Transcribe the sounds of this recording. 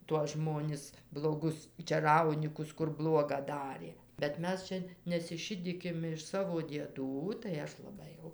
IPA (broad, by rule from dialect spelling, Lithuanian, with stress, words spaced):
tuɔs ˈʒmoːnʲɪs blˠoːˈɡʊs t͡ʃʲɛˈrɐʊnʲiːkʊs kʊr ˈblˠuɔɡɐ ˈdɑːrʲeː bʲɛt ˈmʲɛs t͡ʃʲɛ nʲɛsʲɪˈʃʲɪdʲiːkʲɪm ɪʃ ˈsɑːʋoː dʲiɛˈduː tɐɪ ˈɐʃ lˠɐˈbɐɪ jɛʊ